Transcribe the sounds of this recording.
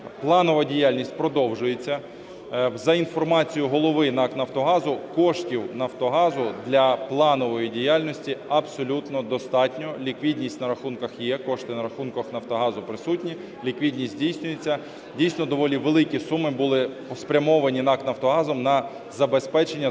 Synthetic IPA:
plˠɑnɔʋɐdʲijalʲnʲisʲtʲpɾɔd̪ɔwʒʊjet͡sʲːɐ | zɐinfɔrmɑt͡sʲijʊɦɔlˠɔʋɪnɑknɐwt̪ɔɦɑzʊkɔʃtʲiwnɐwt̪ɔɦɑzʊd̪lʲɐplˠɑnɔʋɔjidʲijalʲnɔsʲtʲiɐbsɔlʲut̪nɔd̪ɔst̪ɑtʲnʲɔlʲikʋʲid̪ʲnʲisʲtʲnɐɾɐxunkɐxjɛkɔʃt̪ɪnɐɾɐxunkɐxnɐwt̪ɔɦɑzʊpɾɪsutʲnʲi | lʲikʋʲidʲnʲisʲtʲdʲijsʲnʲʊjet͡sʲːɐ | dʲijsnɔd̪ɔʋɔlʲiʋelˠɪkʲisumɪbulˠɪpɔspɾʲɐmɔʋɐnʲinɑktnɐwt̪ɔɦɑzɔmnɐ | zɐbespɛt͡ʃenʲːɐ

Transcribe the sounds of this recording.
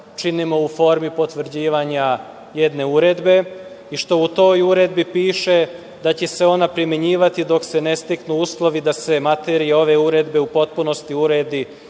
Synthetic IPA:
t͡ʃinimo̞ufo̞ːɾmipo̞t̪ʋr̩d͡ʑiːʋaɲa | je̞d̪ne̞uɾe̞d̪be̞ | iʃt̪o̞ut̪o̞ːjuɾe̞d̪bipiːʃe̞ | d̪at͡ɕeseo̞napɾimje̞ɲiːʋat̪id̪o̞kse̞ne̞st̪iknuuslˠo̞ʋid̪ase̞mat̪eɾijeo̞ʋe̞uɾe̞d̪be̞upo̞t̪puno̞st̪iuɾe̞d̪i

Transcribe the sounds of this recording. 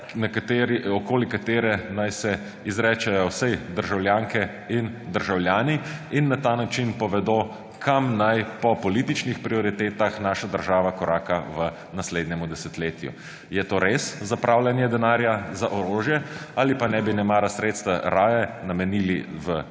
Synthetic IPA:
nɛkat̪eɾiɔkoːlikat̪eːɾɛnajsɛ | izɾɛːt͡ʃɛjɔwsɛjd̪əɾʒawljaːŋkɛ | ind̪əɾʒawlʲjaːniinːat̪aːnat͡ʃinpɔʋɛd̪oː | kʰamnajpɔpɔliːt̪it͡ʃnixpɾiɔɾit̪eːt̪axnaːʃad̪əɾʒaːʋakɔɾʔaːkaʋə | nasleːd̪nʲɛmud̪ɛsɛt̪leːt̪jṵ | jɛt̪oːɾeszapɾʔawlʲjɛnjɛd̪ɛnaːɾjazaʔɔɾoːʒjɛaːlipanɛbinɛmaːɾasɾeːt̪st̪ʋaɾaːjɛnamɛniːliʋə

